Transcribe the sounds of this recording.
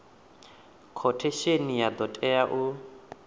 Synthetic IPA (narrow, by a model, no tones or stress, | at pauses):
kʰɔtʰeʃenijad̪ɔtʼɛaʔu